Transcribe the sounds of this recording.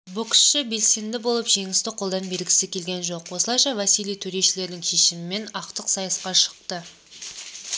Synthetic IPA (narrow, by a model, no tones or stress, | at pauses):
bokʲsʃɪbe̞lse̞nd̪ɪbolˠəpʒe̞ŋʲɪst̪ɪqʰo̞lˠd̪ɑnbe̞ɾɡʲɪ̥sɪkʲʰe̞lɡʲe̞nʒo̞qwosəlˠɑjʃɑvasijlijt̪ʰɵɾe̞ʃɪle̞ɾd̪ɪŋʃe̞ʃɪmɪme̞nɑqt̪əqsɑjəsqɑʃə̥q̚t̪ə